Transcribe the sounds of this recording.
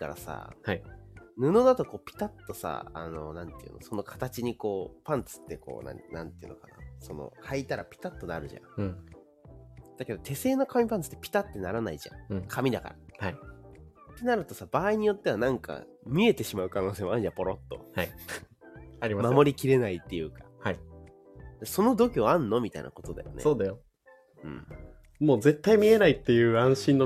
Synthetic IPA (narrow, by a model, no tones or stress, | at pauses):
ka̰ɾa̰sa̰hainɯ̟no̞d̪at̪o̞ko̞ːpʲi̥t̪at̪ːo̞sa̰a̰no̞nãnt̪eɯ̟no̰so̞no̞kʰḁt̪at͡ɕiɲ̟iko̞ːpãnt͡sɨ̥t̪ːe̞ko̞̰ːnã̰nã̰nt̪eiɯ̟nokana̰so̞no̞̰hait̪aɾapʲi̥t̪at̪ːo̞naɾɯ̟ʑã̰ | d̪̥ake̞d̪o̞t̪ʰe̞se̞ːno̞kamʲipãnt͡sɨ̥t̪ːepʲi̥t̪at̪ːe̞naɾanaiʑã̰kʰamʲid̪aka̰ɾahai | t̪ːe̞naɾɯ̟t̪o̞sab̥aːiɲ̟ijo̞t̪ːe̞βanãŋka̰ | mʲie̞t̪e̞ɕimaɯ̟kanoːseːmaã̟d͡ʑãmpo̞ɾot̪ːo̞̰hai | aɾʲimamamo̞ɾʲikʲiɾe̞nait̪ːe̞jɯ̟ːkḁhai | d̪̥aso̞no̞d̪o̞kʲiãnːo̞mʲit̪a̰ḭna̰ko̞t̪o̞d̪a̰jo̰nesoːd̪ajo | ɯ̟̰̃ːɴ | mo̞ːze̞t̪ːaimʲie̞nait̪ːejɯ̟ːãɰ̃ɕĩnːo